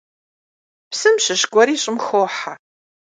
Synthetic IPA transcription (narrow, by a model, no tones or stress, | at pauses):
psɨmɕɨʃɡʷɔɾiːɕʼɪmxoːħa